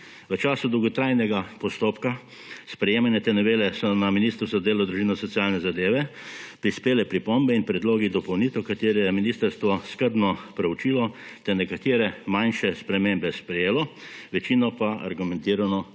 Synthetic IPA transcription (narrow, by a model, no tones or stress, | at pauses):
ʋət͡ʃaːsud̪ɔwɡɔt̪ɾajnɛɡapɔst̪oːpka | spɾɛjeːmanjɛt̪ɛnɔʋeːlɛsɔnaminiːst̪ɾwzzad̪eːlad̪ɾuʒiːnɔsɔt̪sijaːlnɛzad̪eːʋɛpɾispeːlɛpɾipombɛinpɾɛd̪loːɡid̪ɔpɔwnit̪ɛwkat̪eːɾɛjɛminiːst̪əɾst̪ʋɔskəɾd̪nɔpɾɛwt͡ʃiːlɔ | t̪ɛnɛkat̪eːɾɛmanʃɛspɾɛmeːmbɛspɾɛjeːlɔʋɛt͡ʃiːnɔpaa̰ɾɡumɛnt̪iːɾanɔ